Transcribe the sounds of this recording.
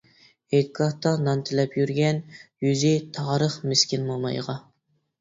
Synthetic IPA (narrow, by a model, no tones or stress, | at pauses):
ekʰːɑht̪ɑnɑnt̪ʰɪlɛpʰjyɾɡʲɛnjyzɪt̪ʰɑːɾəχmɪskʲɪnmolˠmɑ̰jʁɑ